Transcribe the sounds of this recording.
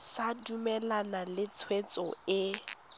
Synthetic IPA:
sadumɛlanalɪt͡sʰwet͡sʼɔɪ

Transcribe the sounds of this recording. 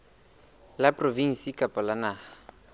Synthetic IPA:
lapʼroviŋ̩sikʼapʼɔlanaːχa

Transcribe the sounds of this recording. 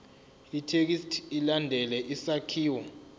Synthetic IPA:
itʰek̬istʰilandʱɛlɛʔisakʰiːwɔ

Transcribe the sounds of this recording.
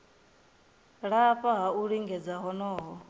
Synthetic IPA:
ɺaɸʼaɦauɺiŋɡɛd͡zaɦɔnɔːɦɔ

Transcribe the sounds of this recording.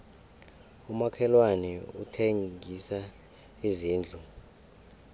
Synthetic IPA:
umakʰɛlwanɛutʰeŋʱisa | iziːnd͡ɮʱu

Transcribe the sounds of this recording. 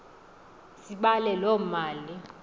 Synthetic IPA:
siɓalɛlɔmaːli

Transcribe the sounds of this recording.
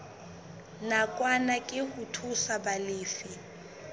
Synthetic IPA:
nakʼwanakʼɪhʊtʰusabalɪːfi

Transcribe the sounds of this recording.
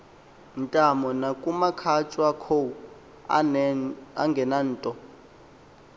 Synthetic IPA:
ntʼamɔnakʼumakʰat͡ʃʼwakʰow | a̰ŋɡʱɛnan̩ːtʼɔ

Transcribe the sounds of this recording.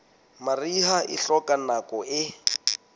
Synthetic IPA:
mariɦaʔɪ̰ɬɔkʼanakʼɔɪ

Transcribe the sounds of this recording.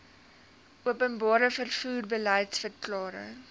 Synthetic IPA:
ʔuəpənbɑːɾəfərfuːrbəlɛjtsfərklɑːɾə̰

